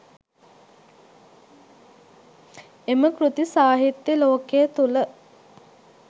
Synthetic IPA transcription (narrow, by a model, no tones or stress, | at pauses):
eməkɾut̪isaːɦit̪jəloːkejət̪ulə